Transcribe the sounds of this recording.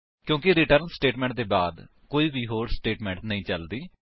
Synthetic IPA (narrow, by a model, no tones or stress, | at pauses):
kjõːkiɾɪʈəɾnsʈeːʈmɛ̃ːɳʈ̚d̪eːbaːd̪ | koːiːbiːɦoːɾsʈeːʈmɛ̃ːɳʈnəĩːt͡ʃəld̪iː